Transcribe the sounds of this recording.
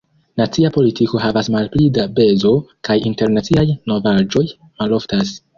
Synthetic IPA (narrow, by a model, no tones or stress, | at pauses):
nat͡siapo̞litiko̞hɦavasmalplidabe̞zo̞kajinte̞ɾnat͡siajno̞vad͡ʒo̞j | malo̞ftas